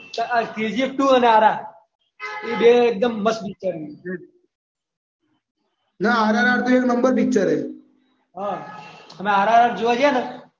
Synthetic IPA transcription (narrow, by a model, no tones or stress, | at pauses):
t̪ʔt̪id͡ʒip̚ʈuːəneaːɾaː | iːbek̚d̪əmːəspɪk̚t͡ʃəɾiɦ | naaːɾaɾaːɾt̪oeːknəmbəɾpɪk̚t͡ʃəɾɦeː | ɦaːɦəmẽɦaːɾaːɾaːʈd͡ʒoʋad͡ʒana